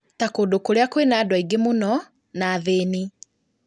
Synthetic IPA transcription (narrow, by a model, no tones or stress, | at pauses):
takoːdokoɾeakwenaːdwaiɡemonɔ | naðeːni